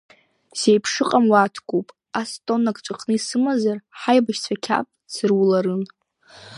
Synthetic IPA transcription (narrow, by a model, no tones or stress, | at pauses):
sejpʰʂɨqʼamwatʰkʷʼopʼ | astʼo̞nakʼt͡ʃʷʼaqʼnɨisɨmazarħajbaʃt͡sʷʰakʲʰa̰pʼsɨrwulaɾɨn